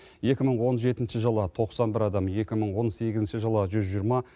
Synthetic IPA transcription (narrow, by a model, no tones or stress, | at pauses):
je̞kʲɪməɴwo̞nʒe̞t̪ɪnʃɪʒəlˠət̪ʰo̞qsɑnbɪɾɑd̪ɑmje̞kʲɪməɴwo̞nse̞ɡʲɪzɪnʃɪʒəlˠəʒʏzʒijəɾmɑ